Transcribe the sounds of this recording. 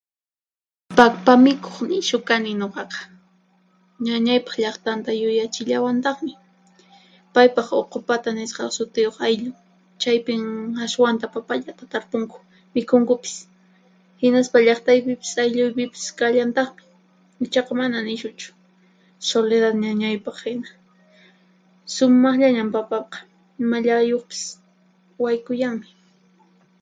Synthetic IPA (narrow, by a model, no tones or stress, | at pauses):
pakpamɪkʰo̥χnɪʃʊkanɪɲoqɑqɑ̥ | ɲaɲajpɑ̥χʎɑχt̪ant̪ajʊjat͡ʃɪʎawant̪ɑχmɪ | pajpɑχoqʊpat̪anɪsqɑsʊt̪ɪjoχajʎʊŋ | t͡ʃajpɪŋaswant̪apapaʎat̪at̪aɾpʊŋkʊ̥ | mɪkʊŋkʊpɪ̥s | hɪnaspaʎɑχt̪ajpɪpɪ̥sajʎʊjpɪpɪ̥skaʎant̪ɑχmɪ̥ | ɪt͡ʃɑqɑmananɪʃʊt͡ʃʊ̥ | soleðat̪ɲaɲajpɑχhɪna | sʊmɑχʎaɲampapɑqɑ̥ | ɪmaʎajoχpɪ̥s | wajkʊjaŋmɪ